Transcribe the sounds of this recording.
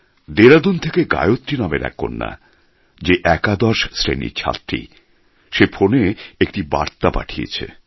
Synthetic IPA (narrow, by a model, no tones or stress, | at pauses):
d̪eɾad̪unt̪ʰekeɡa̰eot̪ːɾinameɾɛ̰kʰːo̰nːa̰ | d͡ʑeʔɛkad̪ɔɾʃsɾḛnḭɾt͡ɕʰa̰t̪ɾḭ | ʃefʰoneek̚ʈiba̰ɾt̪apa̰ʈʰijḛt͡ɕʰḛ